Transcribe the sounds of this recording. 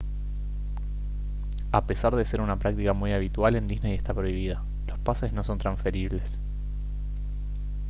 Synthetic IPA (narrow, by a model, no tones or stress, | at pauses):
ape̞saɾðe̞se̞ɾunapɾak̚t̪ikamujaβ̞it̪wale̞nd̪iznejest̪apɾo̞iβ̞ið̞a | lo̞spase̞zno̞so̞nt̪ɾansfe̞ɾiβle̞s